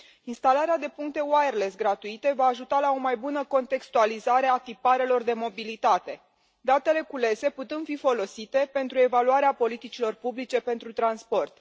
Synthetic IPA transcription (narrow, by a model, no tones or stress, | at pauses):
inst̪alaɾead̪e̞puŋk̚t̪e̞waerlesɡɾat̪uit̪e̞vaːʒut̪alao̞majbunəko̞nt̪e̞kst̪ualizaɾe̞at̪ipaɾe̞lo̞rd̪e̞mo̞bilit̪at̪e̞ | d̪at̪e̞le̞kule̞se̞put̪ɨnd̪̥fifo̞lo̞sit̪e̞pe̞nt̪ɾue̞valuaɾeapo̞lit̪it͡ʃilo̞rpublit͡ʃe̞pe̞nt̪ɾut̪ɾanspo̞rt̪